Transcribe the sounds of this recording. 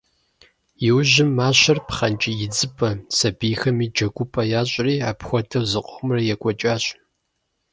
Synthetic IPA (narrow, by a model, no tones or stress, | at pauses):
jɪwʑɪmːaːɕɐrpχɐnt͡ʃʼijɪd͡zɨpʰʼɐsɐbiːxɐmiːd͡ʒɐɡʷʊpʰʼɐjaːɕʼriːaːpxʷɔtʰɐwzɨqʷʼɔmrɐjɛkʷʼɔt͡ʃʼaːɕ